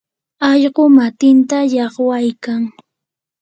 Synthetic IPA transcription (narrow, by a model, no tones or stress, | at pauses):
ɑʎɢomat̪ɪnt̪ajɑχwajkaŋ